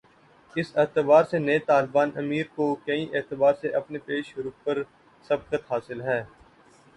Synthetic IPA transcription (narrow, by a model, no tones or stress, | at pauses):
ɪsɪːt̪ɪbaːɾsenɐet̪aːlbaːnɐmiːɾkokɐĩʔeːt̪ɪbaːɾseʔɐpnepeːʃɾuːpəɾ | sɐb̚kət̪ɦaːsɪlɦɛː